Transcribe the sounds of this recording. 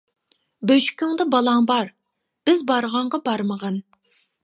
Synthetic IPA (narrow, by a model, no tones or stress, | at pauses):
bøʃkʲʰyŋd̪ɑbɑlˠɑŋbɑɾ | b̥ɪzbɑɾʁɑɴʁɑbɑɾməʁɑn